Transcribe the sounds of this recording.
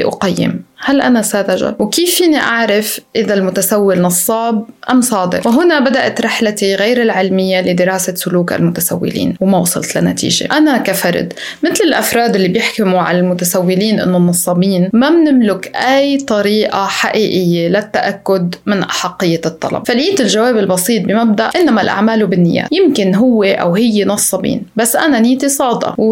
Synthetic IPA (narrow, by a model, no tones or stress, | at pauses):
ʔʊqajːɪ̰mhalʔanasaːd̪aʒa̰wkiːfːiːniʔaʕɾɪfʔɪðalmʊt̪asawːɪlnɑsˤːɑːb̚ʔamsˤɑːd̪ɪɾwɦʊnabad̪aʔat̪ɾˤɪħlat̪iɣejɾɪlʕɪlmɪjːalɪd̪ɪɾɑːsasʊluːkʔa̰lmʊt̪asa̰wːɪ̰lḭːnwmawɑsˤɑ̰lt̪la̰nat̪ḭːʒḛʔanakafɑɾ̰ˤd̪ | mɪt̪lɪlʔafɾˤɑːd̪ʔɪlːibjɪħkɪmuʕa̰lalmʊt̪asawːɪliːnʔɪ̰nːonːɑsˤːɑbiːnmamnɪmlʊkʔajt̪ˤɑɾiːʔaħaʔiːʔɪjːelat̪ːaʔakːʊd̪mɪnʔaħɑqːɪjːat̪ˤːɑ̰lɑ̰bfaliːt̪ɪlʒawaːbɪlbɑsˤiːt̪̚ˤbɪmab̚d̪aʔʔɪnːamalʔa̰ʕmaːlubɪnːɪ̰jːa̰ːtjɪmkɪnɦʊwːeʔa̰whɪjːenɑsˤːɑbḭːnbasːʔananɪːt̪isˤɑːd̪ɑ̰w